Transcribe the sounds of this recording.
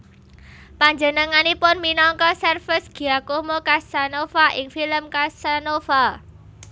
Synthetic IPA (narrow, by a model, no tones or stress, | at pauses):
paɲd͡ʒə̤nəŋanipʊnminɔŋkɔsɛrfɪsɡ̥i̤akomokasanofaʔɪŋfiləmkasanofa